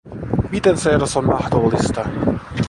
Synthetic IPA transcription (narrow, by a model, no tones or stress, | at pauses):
mit̪ɛnseːɾasonːɑhd̪olːist̪ɑ